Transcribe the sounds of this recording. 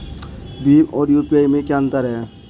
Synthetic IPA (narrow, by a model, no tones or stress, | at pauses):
biɔːɾjupiajmẽkant̪aɾɛe